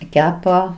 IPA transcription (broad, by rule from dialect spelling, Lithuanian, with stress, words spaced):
ˈkʲæːpɐ